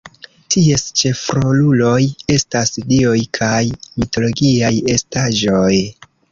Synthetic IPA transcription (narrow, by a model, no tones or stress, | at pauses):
tʰie̞st͡ʃe̞fɾo̞lulo̞je̞stasdio̞jkʰajmito̞lo̞ɡiaje̞staʒo̞j